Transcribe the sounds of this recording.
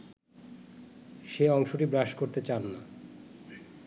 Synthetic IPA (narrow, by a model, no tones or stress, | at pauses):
ʃeɔŋʃoʈibɾaʃkoɾt̪et͡ɕanːa